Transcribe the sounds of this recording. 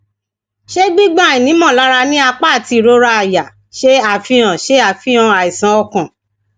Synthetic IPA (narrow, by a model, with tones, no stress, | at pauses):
ʃe˦ɡ͡bi˦ɡ͡bã˦˨i˨nĩ˨˦mɔ̃˦˨la˦ɾa˧nĩ˦a˧k͡pa˦˨ti˧˨ɾo˧˦ɾa˧a˨ja˨ | ʃe˦a˨fĩ˧ã˨ʃe˦a˦˨fĩ˦ã˧a˨i˨sã˨˦ɔ˧kã˨